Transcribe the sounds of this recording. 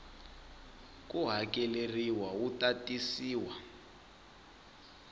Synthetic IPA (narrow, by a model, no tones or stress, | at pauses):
k̬ʼuɦakʼɛleriwautʼatʼisiːwa